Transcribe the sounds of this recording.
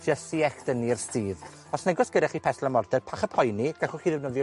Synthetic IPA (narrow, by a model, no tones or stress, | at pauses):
dəsiɛxd̥ənirstiːð | ɔsnɛɡɔsɡ̥ədaχiːpʰɛθlamɔrdɛrpʰaχəpʰɔjniɡ̥aχuχiːðɛvnəðj